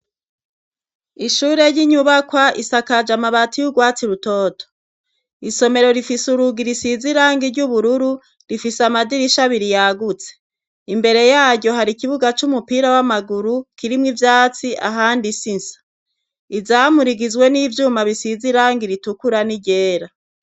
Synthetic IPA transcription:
iʃuɾe̞ɾjiɲuβakwaʔisakad͡ʒamaβatijuɡwaːt͡siɾutoːto̥ | iso̞me̞ɾo̞ɾifisuɾuɡiɾisiziɾaːŋɡiɾɟuβuɾuɾu | ɾifisamadiɾiʃaβiɾijaɡut͡se̥ | imbe̞ɾe̞jaːɟɟo̞ɦaɾikiβuɡat͡ʃumupiɾawamaɡuɾukiɾimŋivjaːt͡siʔa̰ɦaːndisinsḁ | izamuɾiɡizɡwe̞niːvjuːmaβisiziɾaːŋɡiɾitukuɾaniɟe̞ːɾa

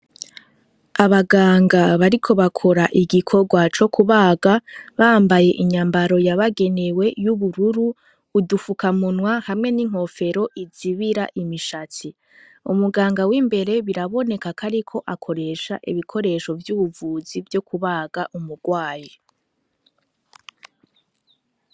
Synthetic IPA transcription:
aβaɡaːŋɡaβaɾikʰo̞βakʰo̞ɾaʔiɡikʰo̞ɡwat͡ʃo̞kʰuβaːɡaβaːmbaje̞ʔiɲaːmbaɾo̞jaβaɡe̞newe̞juβuɾuɾuː | dufukamunwahamŋe̞niŋ̥ho̞fe̞ɾo̞ʔiziβiɾa̰ʔimiʃati | umuɡaːŋɡawimbe̞ɾe̞βiɾaβo̞ne̞kakʰaɾikʰo̞ʔakʰo̞ɾe̞ʃaʔḭβikʰo̞ɾe̞ʃo̞vjuːβuvuːzivjo̞kuβaːɡ̥aʔumuɡ̥waːji

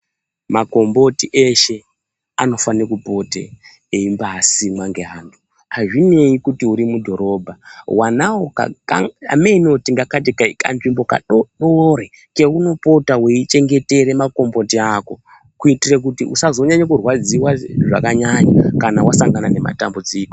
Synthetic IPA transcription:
mako̞mbo̞tiʔe̞ʃe̞ | a̰no̞fanekupo̞tḛ | eimbaɦasimwaŋɡe̞ɦaːntʰu̥ | haʐine̞ikutiuɾimudʱo̞ɾo̞bʱawanawoka̰ka̰a̰me̞inotiŋɡakat̬ikaka̰nʐimbo̞ka̰ɗoɗore | ke̞uno̞po̞taweit͡ʃe̞ŋɡe̞te̞ɾe̞mako̞mbo̞tiako̞ | kuitirek̬utiʔusazo̞ɲaɲekurwad͡ziwaʐa̰kaɲaɲakanawasaŋɡanane̞ma̰tambud͡ziːko

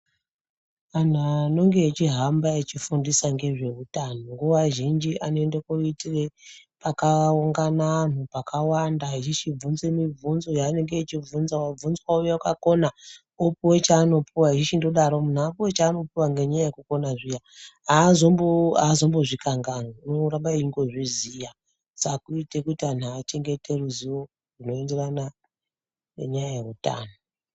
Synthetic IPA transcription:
an̤ano̞ŋɡeet͡ʃiɦambaet͡ʃifundisaŋɡe̞ʐe̞utanoŋɡuaʒind͡ʒiʔane̞ndekoitire̞pakauŋɡanaːn̤upakawandaɦiʃit͡ʃib͡vunzwe̞mib͡vunzojaːne̞ŋɡeːt͡ʃib͡vunzawab͡vunzwaujeakako̞na | opuwe̞t͡ʃaːno̞puwaɦiʃiʃindo̞ɗaɾo̞mun̤aːpuwe̞t͡ʃaːno̞piwaŋɡe̞ɲajajekuko̞naʐija | azomboazo̞mboʐikaŋɡanounoɾambaiiŋɡo̞ʐizija | sakuite̞kutian̤aːt͡ʃe̞ŋɡe̞tʰe̞ruziwo̞ | runo̞e̞nde̞rana | ḛɲajaje̞ruta̰ːno

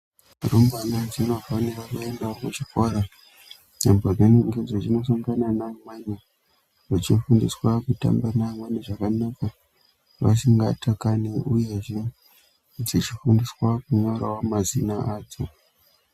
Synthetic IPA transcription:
rumbanad͡zino̞vanekakaendakut͡ʃikoɾa | nembod͡zeneŋɡed͡zet͡ʃino̞s̬aŋɡananamwane | ʐit͡ʃifundiswakuta̰mbanamwaneʐakanaka | ʋa̰siŋɡa̰takaneʔuje̞ʐe | d͡zit͡ʃifundiswakuɲo̞ɾawamazinaʔaːd͡zo

